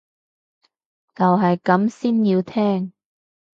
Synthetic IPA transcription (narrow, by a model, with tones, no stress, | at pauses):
t͡sɐ˨wɦɐ˨jkɐ˨˥msiː˥njiː˧wt̪ʰɛː˥ŋ